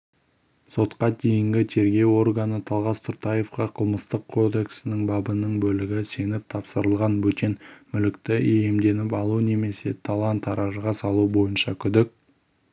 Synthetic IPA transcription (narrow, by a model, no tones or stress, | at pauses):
so̞t̪qɑd̪e̞jɪŋɡʲɪt̪ʰe̞ɾɡʲe̞wo̞rɡanət̪ʰɑlˠʁɑst̪ʰʊɾt̪ɑje̞fqɑqʰəlˠməst̪əqʰːo̞d̪e̞ksɪnɪŋbɑbənəɴbɵlɪɡʲɪse̞nɪp̚t̪ʰɑpsəɾəlˠʁɑnbɵt̪e̞nmʏlɪkt̪ɪeje̞md̪e̞nɪp̬ɑlˠune̞me̞se̞t̪ʰalˠɑnt̪ʰːɑɾɑʒəʁɑsɑlˠubo̞jənʃɑkʲʰʏd̪ɪk̚ʲ